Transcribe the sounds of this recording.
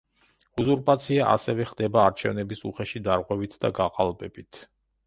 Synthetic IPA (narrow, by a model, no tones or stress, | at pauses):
uzuɾpʼat̪sʰiaʔa̰sɛvɛχd̪ɛbaːɾt͡ʃʰɛvnɛbisuχɛʃid̪aɾʁwɛvit̪ʰd̪aɡaqʼalˠbɛbit̪ʰ